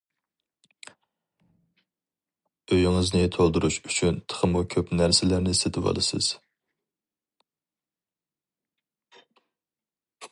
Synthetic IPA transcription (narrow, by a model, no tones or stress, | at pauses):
øjŋɨznɪt̪ʰolˠd̪uɾuʃyt͡ʃʰynt̪ʰə̥χʰəmukʲʰøpnæɾsɪlæɾnɪset̪ʰɪvɑ̰lˠɨsɨ̰z̥